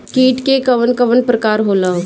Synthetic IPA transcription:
kiːʈkekɐʋənkɐʋənpɾəkaːɾɦoːla

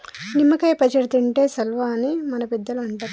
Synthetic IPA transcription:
nimːɐkɐjpɐd͡ʒɐɾt̪ɐɳʈe̞ːsɐlʋaːnimɐnɐpɛd̪ːɐluɐɳʈaːɾ

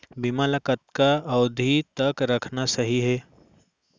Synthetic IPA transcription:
bimaləkət̪̚kaɐːd̪ʱit̪ɐkɾɐkʰnasɐɦiɦɛː

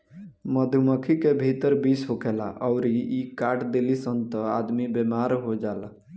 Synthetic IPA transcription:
məd̪ʱuməkʰikebʱit̪əɾbisɦokʰɛla̰ʔɔʊɾiikaɾʈd̪elisənt̪əad̪mibemaɾɦod͡ʒala

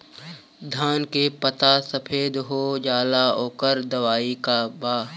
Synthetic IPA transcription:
d̪ʱaːnkepət̪asɐpʰeːd̪ɦod͡ʒaːlaoːkəɾd̪ɐʋaːikabaː

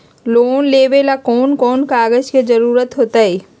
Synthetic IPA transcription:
loːnleːʋelakoːnkɔːnkaːɡəd͡ʒked͡ʒəɾuːɾət̪ɦoːt̪ae

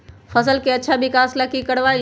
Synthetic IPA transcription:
fɐsəlkeɐːʃʰabɪkaːslɐkikɐɽʋaː

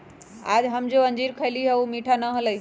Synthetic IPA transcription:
a̰ːd͡ʑɦəmd͡ʑoə̃ɲd͡ʑiːɾkʰəjliɦəumiːʈʰanəɦələi

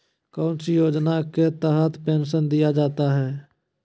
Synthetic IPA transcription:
kaʊnsijoːd͡ʒnaket̪əɦət̪peːnsənd̪ijad͡ʒaːt̪aɦɛː

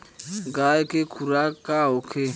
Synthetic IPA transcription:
ɡaekekʰuɾakʼaokʰe

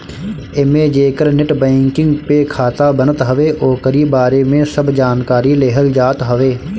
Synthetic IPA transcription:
ɪmed͡ʒeːkəɾnɪʈbɛ̃ːŋkɪ̃ŋɡpekʰaːt̪abənət̪ɦəʋeːʔoːkəɾibaːɾemẽsəbd͡ʒaːnkaːɾileːɦəld͡ʒaːt̪ɦəʋeː

